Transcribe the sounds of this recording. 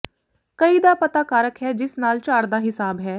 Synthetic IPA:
kəiːd̪aːpət̪aːkaːɾəkɦɛːd͡ʒɪsnaːlt͡ʃaːɾd̪aːɦɪsaːbɦɛː

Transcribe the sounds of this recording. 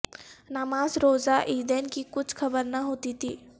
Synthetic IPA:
namaːzɾoːzaʔiːd̪eːnkikʊt͡ʃʰxʰɐbəɾnaɦoːt̪it̪ʰiː

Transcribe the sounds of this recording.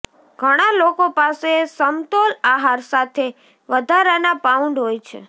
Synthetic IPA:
ɡʱəɽ̃alokopasesəmt̪olaɦaɾsat̪ʰe | ʋəd̪ʱaɾanapauɳɖɦojt͡ʃʰḛ

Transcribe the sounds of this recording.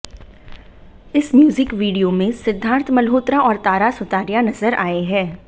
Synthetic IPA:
ɪsmjuːzɪkʋiːɖijomẽsɪd̪ʱːãːnt̪ʰmɐlɦoːt̪ɾaʔɔːɾt̪aːɾasʊt̪aːɾjanɐzəɾʔaːeɦɛː

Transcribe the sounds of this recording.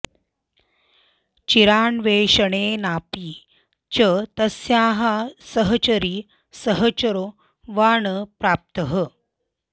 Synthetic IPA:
t͡ʃiɾaːɳʋeːʂəɳeːnaːpiː | t͡ʃət̪ɐsjaːɦasəɦət͡ʃɐɾiː | səɦət͡ɕɐɾo | ʋaːɳəpɾaːp̚t̪əɦə

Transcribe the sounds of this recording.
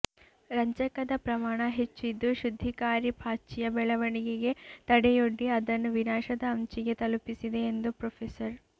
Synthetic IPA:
ɾɐɲt͡ʃɐkɐd̪ɐpɾɐmaːɳɐɦet͡ʃːid̪ːuʃud̪ʱːikaːɾibʱaːt͡ʃijɐbɛɭɐʋɐɳiɡeɡe̞t̪ɐɽɛjoɖːiɐd̪ɐnːuʋinaːʃɐd̪ɐːmt͡ʃiɡe̞t̪ɐlupisid̪e̞ːnd̪upɾopʰesɐɾ

